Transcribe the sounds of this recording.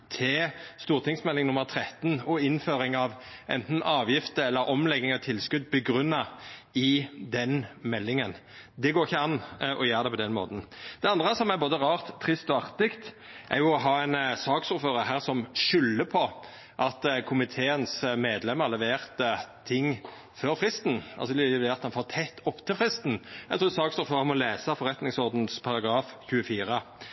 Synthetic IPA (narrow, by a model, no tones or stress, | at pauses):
t̪ʰɪst̪uːʁt̪ʰɪŋsmɛlːɪŋnʊmːəʁt̪ʰɾɛt̪nɔɪnføːɾɪŋɑʋʔɛ̰nt̪n̩ɑːʋjɪft̪əɛlːəɾʔɔmlɛɡɪŋɔt̪ʰɪlːskʉd̪̚bəɡɾʉnːɑɪd̪ɛnmɛlːɪŋən | d̪ɛɡoːɾɪçːəɑnːʔɔjøːɾd̪ɛpʰɔd̪ɛnmo̰ːt̪n̩d̪̥ɛɑnd̪ʁəsɔmæboːd̪əʁɑːʁt̪ʰːɾɪst̪ɔɑʁt̪ɪkt̪ | ʔæ̰ʁjʊɔɦɑːɛɪnsɑːksʊføːɾəɦæːʁsɔmʃʏlːəpʰɔ | ʔɑt̪kʰʊmɪt̪ʰeːənsmeːd̪lɛmːəɾlɛʋeːʁt̪ət̪ʰɪŋː | føɾfʁɪst̪n̩ɑ̰lsɔlɛʋeːʁɑt̪ɑnfoːʁt̪ʰɛt̪ʰːɔpːt̪ʰɪlfʁɪst̪n̩æt̪ɾuːsɑːksʊføːɾəmɔleːsɑfɔɾɛt̪nɪŋsɔʁd̪n̩spʰɑʁɑɡɑːfçʉːəfiːɾə